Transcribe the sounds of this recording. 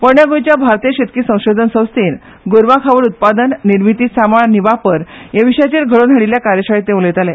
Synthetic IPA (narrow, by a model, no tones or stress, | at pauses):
pəɳjaɡojt͡ɕjabʱaɾt̪ieɕet̪̚kiːsə̃w̃ɕod̪ʱənsə̃w̃st̪iːn | ɡoɾʋakʰaʋəɽut̪̚pad̪ənːiɾmit̪iːsamaɭniʋapəɾjeʋiɕat͡ɕeɾɡʱəɭonɦəɽiljakaɾjəɕaɭet̪ːẽʋũlet̪alɛ